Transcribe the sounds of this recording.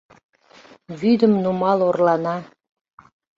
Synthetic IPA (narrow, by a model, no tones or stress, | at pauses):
βyd̪əmnumɑlorlɑnɑ